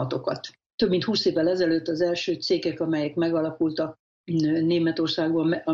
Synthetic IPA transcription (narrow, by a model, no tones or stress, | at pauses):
ɒt̪o̞kɒ̰t̪ː | øbmint̪huːseːvːɛlɛzɛløːt̪ːɒzɛlʃøːt̪seːkɛkɒmɛjɛkmɛɡɒlɒkult̪ɒk̚ | neːmɛt̪o̞rsaːɡbɒ